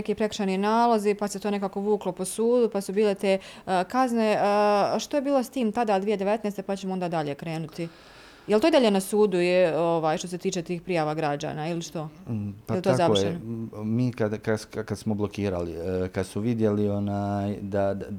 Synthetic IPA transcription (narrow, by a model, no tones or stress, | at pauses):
ekipɾe̞kr̥ʃaninaːlˠozipaset̪one̞kaːkoʋuːklˠo̞po̞suːd̪upasubiːle̞t̪eːkazne̞ʃt̪o̞jebiːlˠo̞st̪iːmt̪ad̪ad̪ʋije̞d̪eʋet̪nest̪e̞pat͡ɕemoo̞nd̪aːd̪aʎe̞kɾe̞ːnut̪i | jelt̪oid̪aʎenasuːd̪uioʋaːjʃt̪o̞set̪iːt͡ʃe̞t̪iːxpɾijaːʋaɡɾad͡ʑa̰nailiʃt̪o̞jpaelit̪ozaʋeenomiːkad̪kakad̪smoblokiːɾa̰lḭkad̪smuʋid̪je̞lio̞najd̪a